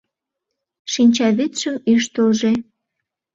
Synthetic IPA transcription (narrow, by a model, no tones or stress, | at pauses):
ʃinʲt͡ɕɑβit̪ʃəmyʃt̪oʒe